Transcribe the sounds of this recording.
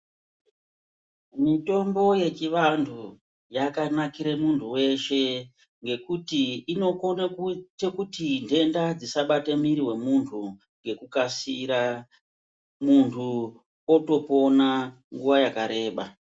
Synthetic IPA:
mito̞mbo̞je̞t͡ʃiʋantʰu | jakanakiɾemuntʰuwe̞ʃe̞ | ŋɡe̞kutiːno̞ko̞nakutekutinde̞ndad͡zisaɓatemiɾiwe̞muntʰu | ŋɡe̞kukasiɾa | muntʰu | oto̞po̞na | ŋɡuʋajakaɾe̞ːɓa

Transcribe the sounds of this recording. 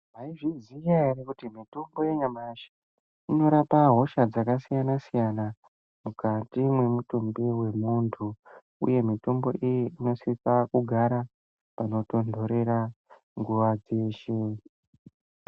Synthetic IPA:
maiʐizijarekutimitombo̞jeɲamaʃa | ino̞ɾapaɦo̞ʃad͡zakasijanasijana | mukatimwe̞mutumbiwe̞muntʰu | ṵje̞mito̞mbo̞̰ʔijiino̞sisakuɡʱaɾa | pano̞to̞ndʱo̞ɾe̞ɾa | ŋɡuʋad͡zeːʃe

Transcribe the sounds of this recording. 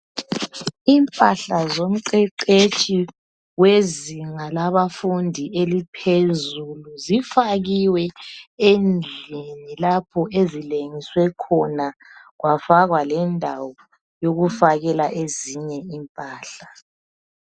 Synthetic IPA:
iːmpʼaɬazom̩ǀɛǀet͡ʃʼi | weziŋalaβafundʱiʔelipʰezuluzifaɣiwɛend͡ɮʱinilapʰɔʔezileŋiswɛkʰɔnaɣwafaɣwalɛndʱawɔ | joɣufaɣɛlaʔeziɲɛimpʼaːɬa

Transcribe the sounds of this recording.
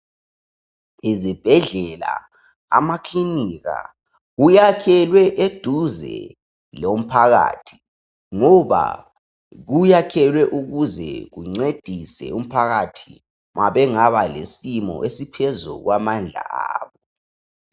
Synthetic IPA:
izib̥ʱɛɮɛla̰ | a̰makʰliniɣa̰ | ɣujakʰɛlwɛʔed̥ʱuzɛ̰ | lom̩pʰaɣa̰ːtʰi̥ | ŋɔβa̰ | ɣujakʰɛlwɛʔuɣuzɛ̰ɣuŋ͡ǀed̥ʱisɛ̰um̩pʰaɣatʰi̥ | maβɛŋaβalesimɔ̰ʔesipʰɛzṵɣwamand͡ɮʱa̰ʔa̰ːβɔ

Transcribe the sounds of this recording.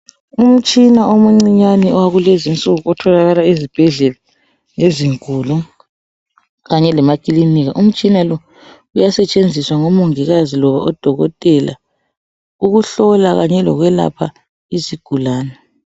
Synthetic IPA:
um̩t͡ʃʼinaomuŋ͡ǀiɲaniwaɣulezint͡sʼuɣuɔtʰɔlaɣalaezib̥ʱɛɮɛla | eziŋulɔ | ɣaɲɛlɛmakʼiliniɣaʔum̩t͡ʃʼinalɔ | ujasɛt͡ʃʼend͡zʱiswaŋɔmoŋiɣazilɔβa̰ʔɔd̥ʱɔɣɔ̰tʼɛla̰ | uɣuɬɔlaɣaɲɛlɔ̰ɣwɛla̰pʰa | iziɡ̥ʱulaːnɛ

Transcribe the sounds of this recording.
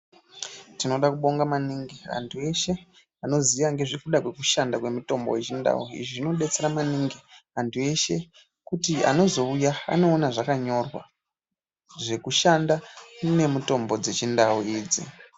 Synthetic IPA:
tino̞ɗakuɓo̞ŋɡamaniŋɡia̰ntʰue̞ʃe̞ | ano̞ziʋaŋɡe̞ʐikuɗakwe̞kuʃandakwe̞muto̞mbo̞̰je̞t͡ʃinda̰ṵḭʐiʐino̞ɗe̞t͡se̞ɾamaniŋɡiantʰue̞ʃe̞ | kutia̰no̞zo̞ujaa̰no̞ːnaʐakaɲo̞rwa̰ | ʐe̞kuʃandane̞muto̞mbo̞d͡ze̞t͡ʃindauiːd͡zḭ

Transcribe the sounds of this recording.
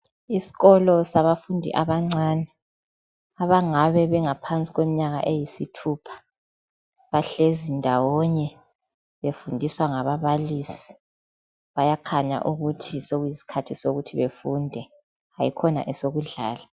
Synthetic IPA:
isi̥ɣɔlɔsaβafundʱḭʔaβaŋ͡ǀaːnɛ | aβaŋaβɛβɛŋapʰant͡sʼiɣwem̩ɲaɣa̰ʔejisitʰupʰḁ | βaɬezindʱawɔɲɛ | βefundʱiswaŋaβaβalisi̥ | βajakʰaɲa̰ʔuɣutʰisoɣujisi̥kʰatʰisoɣutʰiβefundʱɛ | ajikʰɔna̰ʔɛsoɣuɮa̰ːla

